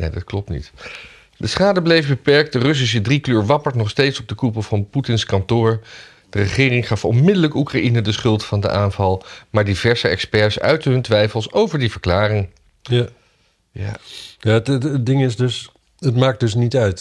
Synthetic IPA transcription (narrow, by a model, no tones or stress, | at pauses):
nḛdɑtklɔp̚tnḭt | dəsχaːdəblejfbəpɛɹk̚t̚dərɵs̬is̬ədrikløːɹʋɑpəɹtnɔχstejtsɔb̚dəkupəlˠvɑnputɪnskɑntʊːɹ | d̥ərəχɪːrɪŋχɑfɔ̰nmɪdələkukraʔinədəsχɵlˠtfɑndə̰ʔaːnvɑlˠmaːɹdivɛɹsəɛkspɛɹsœ̰ɥtɦɵntʋɛjfəlˠsowvəɹdivəɹklaːrɪŋ | ja̰ːjaːətəədɪŋɪsdɵs | ətmaːk̚dɵsnitœɥt